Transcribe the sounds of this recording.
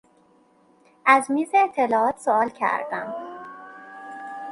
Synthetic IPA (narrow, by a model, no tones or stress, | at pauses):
ʔæzmiːzeːt̪ʰːe̞lɒːɒːt̪soɒːlcʰæ̰ɾd̪æ̰m